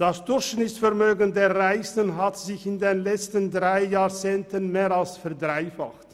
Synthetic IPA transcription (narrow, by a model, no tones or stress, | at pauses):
d̥asd̥ʊçnɪsfɛɐmøːɡəndeːɐʁaɪsənɦatz̥ɪçɪndeːnlɛt͡stəndʁaɪjaːt͡seːntənmeːʁalsfɛɐdʁaɪfa̰χt